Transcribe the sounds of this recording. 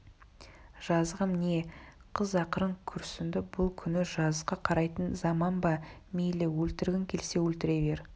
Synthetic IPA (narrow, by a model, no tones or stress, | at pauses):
ʒ̥ɑzʁəmne̞ | qʰəzɑqəɾəɴkʲʰʏɾsɪnd̪ɪbʊlˠkʲʰʏnɪʒɑzqɑqʰɑɾɑjt̪ənzɑmɑnbɑmejlewɵlt̪ɪɾɡʲɪŋkʲʰe̞lse̞wɵlt̪ɪɾe̞ve̞ɾ